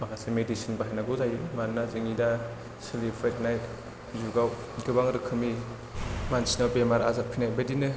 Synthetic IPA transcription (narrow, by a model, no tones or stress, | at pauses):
makʰasemedisinbaɦajnaɡɔzajumaɾnazɯŋida | silibʰɾet̚najt | zuɡaw | ɡɯbaŋɾɯkʰːɯmi | mansinawbemaɾa̰zapʰinajbadinɯ